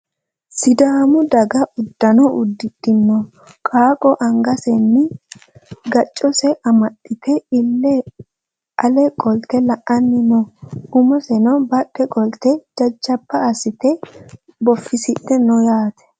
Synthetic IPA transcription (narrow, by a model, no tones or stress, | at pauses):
sɪd̪aːmʊd̪ɐɡɐʔʊd̪ːɐnɔʔʊd̪ːɪd̪ɪnːɔ | kʼaːkʼɔʔɐŋɡɐsɛnːɪ | ɡɐt͡ʃʼːɔsɛʔɐmɐɗːɪt̪ɛɪlːɛ | ʔɐlɛkʼɔlt̪ɛlɐʔɐnːɪnɔʊmɔsɛnɔbɐɗɛkʼɔlt̪ɛd͡ʒɐd͡ʒːɐpːɐːsɪt̪ɛ | bɔfːɪsɪtːɛnɔjaːt̪ʰɛ̥